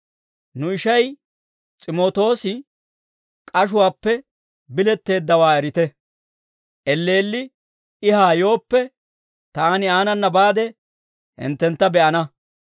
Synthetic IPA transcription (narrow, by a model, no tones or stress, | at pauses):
nʊɪʃɐj | t͡sʼɪmo̞ːt̪o̞ːsɪ | kʼɐʃ̬ʊwaːpːɛ | bɪlɛt̪ːe̞ːd̪ːɐwaːɛɾɪt̪ɛ | ʔɛlːe̞ːlːɪ | ɪɦaːjo̞ːpːɛ | t̪aːnɪaːnɐnːɐbaːd̪ɛ | hɪ̰nt̪ːɛnt̪ːɐbɛʔɐnɐ